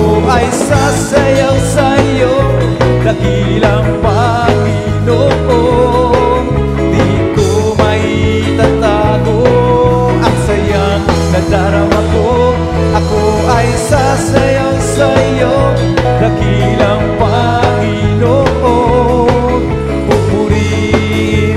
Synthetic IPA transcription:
oʔɐjsasɐjawsɐjo | lɐɡi | lɐŋpɐ | ŋi | noʔo | d̪i | t̪o | mɐhi | t̪ɐt̪at̪o | ɐŋsɐja | ŋ | nɐd̪aɾɐwɐko | ʔɐko | ɐjsa | sɐjɐwsɐjo | lɐɡi | lɐŋpa | ŋinoʔo | kopuɾi

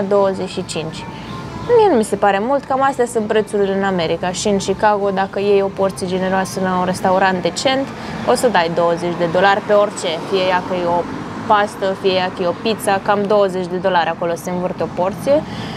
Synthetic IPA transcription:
d̪o̞wəzeʃit͡ʃint͡ʃʲ | mie̞numise̞paɾe̞mult̪kamast̪jasunt̪pɾe̞t̪suɾileɨname̞ɾikaʃiɨnʃikaɡo̞d̪akəje̞jo̞po̞rt̪sijed͡ʒe̞ne̞ɾoasəlaunre̞st̪auɾant̪̚d̪e̞t͡ʃe̞nt̪ | osəd̪ajd̪o̞wəze̞t͡ʃʲd̪e̞d̪o̞larʲpe̞o̞rʲt͡ʃe̞fijejakəjeo̞ | past̪əfijejakəjeo̞pit̪sakamd̪o̞wəzet͡ʃʲd̪e̞d̪o̞laɾʲako̞loseɱvɨrt̪eo̞po̞rt̪sije̞

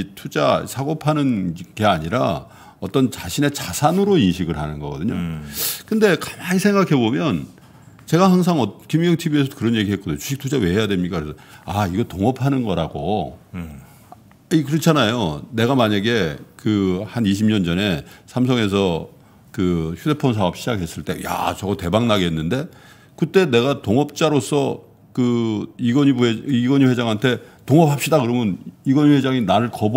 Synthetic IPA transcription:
itʰud͡ʑasʰaɡopʰanɯnɡ̥e̞aɲiɾa | ʌt͈ʌnt͡ɕaɕʰine̞t͡ɕasʰanɯɾoinɕʰiɡɯɭhanɯnɡʌɡʌdɯɲo̰kɯnde̞kamaŋisʰeŋɡakʰe̞bomjʌn | t͡ɕe̞ɡaɦaŋs̬ʰaŋʌtkimijʌŋtʰibie̞sʰʌkɯɾʌnje̞ɡiɦek͈ʌdɲot͡ɕu̥ɕʰiktʰud͡ʑawe̞ɦe̞jadwemɲik͈akɯɾesʰʌaiɡʌtoŋʌpʰanɯnɡʌɾaɡo̰ | ikɯɾʌt͡ɕʰanajone̞ɡamaɲaɡe̞kɯhaniɕ̬ʰimɲʌnd͡ʑʌne̞sʰams̬ʰʌŋe̞s̬ʰʌ | kɯçʰude̞pʰʌns̬ʰaɦʌp̚ɕʰid͡ʑakʰɦe̞s͈ɯɭt͈e̞̰ja̰t͡ɕʌɡʌte̞baŋnaɡeɦenːɯnde̞ | kɯt͈e̞ne̞ɡatoŋʌp̚t͡ɕ͈aɾosʰʌ | kɯiɡʌibeiɡʌɲiɸwe̞d͡ʑaŋɦantʰe̞toŋʌp̚hap̚ɕ͈idakɯɾʌmjʌniɡʌɲiɸwed͡ʑaŋinaɾɯɭkʌb

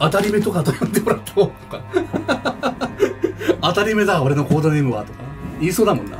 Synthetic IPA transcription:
at̪aɾʲime̞t̪o̞kat̪ojõnd̪e̞mo̞ɾat̪ːʰaot̪o̥ka | at̪aɾʲime̞d̪aoɾe̞no̞ko̞ːd̪anenɯβa̰t̪okaiːso̞ːd̪amõ̞nːa̰

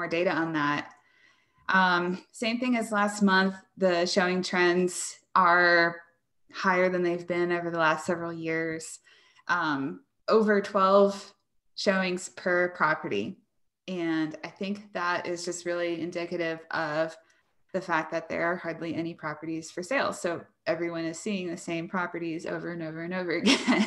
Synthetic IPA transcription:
ɔɹdeɪɾɨə̃nðæt̚ | ʔʌ̃msẽɪ̃mθɪ̃ŋɨzlæst̚mʌ̃nθðɨʃoʊɪ̃ŋtʰɹ̥ɛ̃nz̥ʔə˞ | haɪə˞ðɨ̃nðeɪvbɪ̃noʊvə˞ðəlæstsɛvɹl̩ˠjɪɹz̥ | ʔʌ̃m | oʊvə˞tʰw̥ɛlˠv̥ | ʃoʊɪ̃ŋz̥pʰə˞pʰɹ̥ɑpə˞ɾḭ | ɨ̃naɪθɪ̃ŋk̚ðəɾɪ̰zd͡ʒʌst̚ɹɪlˠiɨ̃ndɪkɨɾɪvʌv | ðɨfæk̚ðɨt̪̚ðə̰˞ːhɑɹdˡliʔɛñipʰɹ̥ɑpə˞ɾiz̥fə˞seɪlˠz̥soʊ | ʔɛvɹiwʌ̃nɨz̥siɪ̃ŋðɨ̥sẽɪ̃mpʰɹ̥ɑpə˞ɾizo̰ʊvə˞ɨ̃noʊvə˞ɨ̃noʊvə˞ɨɡɛ̃n

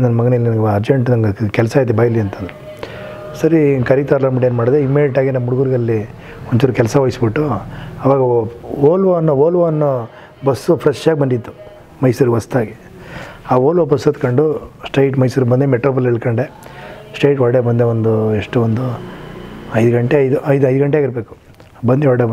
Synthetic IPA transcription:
nɐnːɐmɐɡɐnelːinɐnɡɐɾd͡ʒeɳʈnɐŋɡkɛlsaːjd̪ebɐjɐlːiɐnt̪ʰɐnd̪ɾu | sɐɾikɐɾit̪aːɾlaːmɐʈeːnmaːɽid̪eimːeɖiʈaːɡinɐmmuɽuɡuːɾiɡɐlːi | ont͡ʃoɾukɛlsɐʋɐːjisbiʈːuɐʋaːɡɐoːlʋonːooːlʋanːo | bɐsːupʰɾɐst͡ʃːaːɡbɐnd̪id̪ːu | mɐjsuɾiɡʋɐst̪aːɡi | aːoːlʋɐbɐsːɐt̪kɐɳɖusʈɐjʈmɐjsuɾbɐnd̪emeʈɾoːp̬ɐleɭkɐɳɖesʈɐjʈɐɭɽebɐnd̪eʋond̪ueʂʈuond̪u | ɐjd̪ɐɡɐɳʈeɐjd̪uʔɐjd̪ɐjd̪ɡɐɳʈeaːɡiɾbe̞ːku̥ | bɐnd̪eoɭɽe

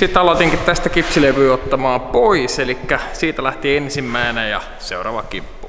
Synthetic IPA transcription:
sit̪ːɑlot̪iŋkit̪t̪æst̪ækipsileʋyːot̪ːɑmɑːpoiselikːæsiːt̪ælæht̪iensimːæenejɑ̰ | seurɑ̰ːʋɑkipːu

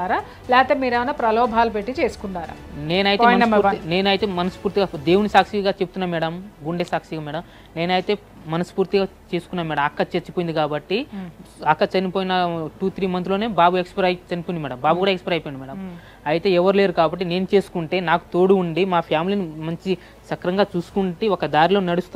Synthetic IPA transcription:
aːɾaː | lɛːt̪eːmiːɾeʋɐnapɾɐlɔːbʱaːlupeʈːit͡ʃe̞ːsu̥kuɳɖaːɾa̰ːne̞ːnɐjitemɐsuɾtine̞ːnɐjit̪e̞ːmɐnɐspuːɾt̪iɡaːd̪e̞ːwunisaːkʂiɡaːt͡ʃebu̥t̪unːaːmɛːɽɐmɡuɳɖesaːkʂiɡaːmɛːɽɐm | ne̞ːnɐjit̪e̞ː | mɐnɐspuːɾt̪iɡaːt͡ʃe̞ːsu̥kunːaːmɛːɽɐmɐkːɐt͡ʃeɾt͡ʃːipojind̪ikaːbɐʈːiɐkːɐt͡ʃɐnipo̞ːjinɐʈuːt̪ʰɾiːmɐnt̪ulo̞ːne̞ːbaːbuekspɐɾɐjt͡ʃɐnipoːindimɛːɽɐmbaːbukuːɽaekspɐɾɐjpojiɳɖimɛːɽɐm | ɐjit̪e̞ːɛʋɐɾule̞ːɾukaːbɐʈːine̞ːnut͡ʃe̞ːsu̥kuɳʈe̞ːnaːku̥t̪o̞ːɽuuɳɖimaːpʰjaːmilinimɐɲt͡ʃi | sɐkɾɐŋɡaːt͡ʃuːsu̥kuɳʈiɔkɐd̪aːɾilo̞ːnɐɽust̪u

